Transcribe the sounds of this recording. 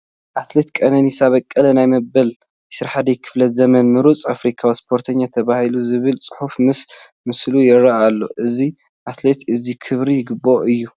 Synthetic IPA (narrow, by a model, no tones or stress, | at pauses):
ʔat̪le̞t̪kʼɐnɐnisaβɐkʼːɐlɐnajmɐbɐl | ɪsɨɾħad̪ɐjkʰɨ̥flɐt̪zɐmɐnmɨɾut͡sʼafɾikʰawispʰo̞ɾt̪ʰɐɲːat̪ʰɐβahiluzɨβɨlt͡sʼɨ̥ħufmɨs | mɨslujɪɾaʔalːo̞̰ʔɨzi | ʔat̪le̞t̪ɨzikʰɨβɾijɪɡɨbo̞ʔɨjːu